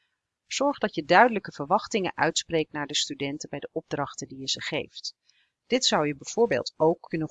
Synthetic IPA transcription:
z̥ɔɹχdɑtjədœɥdələkəv̥əɹʋɑχtɪŋə̰nʔœɥtsprejk̚tnaːɹdəstydɛntəbɛjdəʔɔb̚drɑχtəndijəzəχḛjft | d̥ɪtsɑwjəbɛjv̥ʊːɹbḛːlˠtowkʰːɵnə

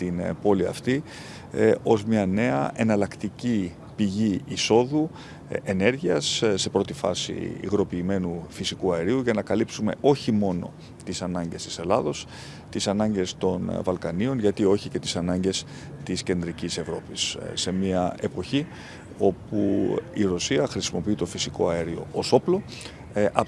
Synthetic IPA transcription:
t̪inpo̞liɐ̰ft̪i | o̞zmɲɐne̞ɐ̰ʔe̞nɐlɐkt̪ici | piʝiiso̞ðu | ene̞ɾʝiɐsːe̞pɾo̞t̪ifɐ̰sḭḭɣɾo̞piːme̞nufisikuɐeɾiuʝɐnɐkɐlipsume̞̰ʔo̞çimo̞no̞̰ | t̪isɐnɐɲɟe̞st̪i̥se̞lɐðo̞s | t̪isɐnɐɲɟe̞st̪o̞nvɐlkɐnio̞nʝɐt̪io̞çice̞t̪isɐnɐɲɟe̞s | t̪isce̞nd̪ɾicise̞vɾo̞pisːe̞miɐe̞po̞çi | o̞puiɾo̞siɐxɾisimo̞piit̪o̞fisiko̞ɐeɾio̞̰o̞so̞plo̞ | ɐ

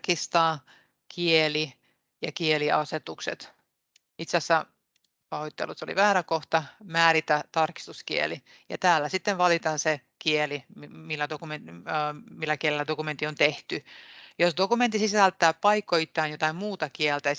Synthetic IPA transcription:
kist̪ɑː | kʰieli | jɑkieliɑset̪uksḛt̪ | it̪sæsːæ | pɑhoit̪ːḛlːˑut̪so̰lḭʋæːɾækoht̪ɑmæːɾit̪æt̪ɑrki̥st̪uskḭḛli | jɑ̰t̪æːlːæsit̪ːenʋɑlit̪ɑnse | kielimmilːædokumen | milːækielilːæd̪okument̪ːˑiont̪eht̪yjosd̪okument̪ːisisælt̪ːˑæːpɑikːoit̪ːæːnjot̪ɑimmuːt̪ɑkiɛlt̪æ

